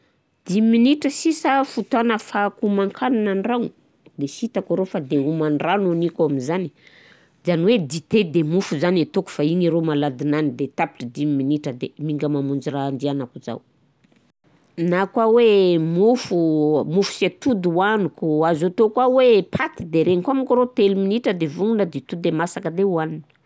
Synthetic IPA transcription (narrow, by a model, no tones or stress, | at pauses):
d̪̥imminiʈ͡ʂəsisafut̪anəfakumaŋkʰananaɳrani | d̪esit̪akuɾofad̪eumanranonikaminzani̥ | zaniwed̪it̪ed̪emufuzanet̪oku̥faiɲiɾomalad̪inanid̪et̪api̥ʈ͡ʂəd̪imiminiʈ͡ʂəd̪emiŋɡəmamund͡ʒirand̪ianakuza̰w | nakwawemufumufu̥set̪ud̪uwanukuazot̪okwawepʰat̪id̪eɾeŋikamikuɾot̪eluminiʈ͡ʂəd̪evuŋunad̪it̪ud̪emasakəd̪ewanin